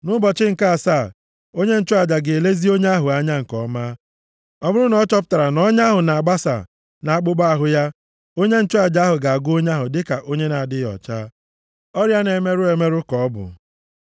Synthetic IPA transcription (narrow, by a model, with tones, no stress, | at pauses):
nʊ˦bɔ˨t͡ʃɪ˦ŋ̩˨ka˦a˨saː˦˨ | o˦ɲe˦n̩˦t͡ʃʊ˦a˨d͡ʒa˨ɡe˨e˨le˦zi˦o˦ɲe˦a˦ɦʊ˨a˦ɲa˦ŋ̩˨kɔ˨ma˦ | ɔ˦bʊ˦ɾʊ˦nɔ˦t͡ʃɔ˦p̬ʊ̥˦ta˨ɾa˨nɔ˦ɲa˦ɦʊ˨na˨a˨ɡ͡ba˦sa̰˨ | na˨a˦k͡pʊ˦ɡ͡ba˦a˦ɦʊ˨ja˦ | o˦ɲe˦n̩˦t͡ʃʊ˦a˨d͡ʒa˦ɦʊ˨ɡa˨a˨ɡʊ˦o˦ɲ˦a˦ɦʊ˨dɪ˦ka˨ʔo˦ɲe˦na˨dɪ˦jɔ̰˨t͡ʃaː˦ | ɔ˦ɾja˦ne˨me˦ɾʊ˦e˨me˦ɾʊ˦kɔ˨˦bʊ̰˨